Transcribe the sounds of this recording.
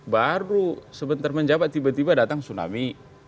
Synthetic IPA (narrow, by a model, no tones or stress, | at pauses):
baɾusəbənt̪arməɲd͡ʒabaibat̪ibadat̪aŋsuna̰mi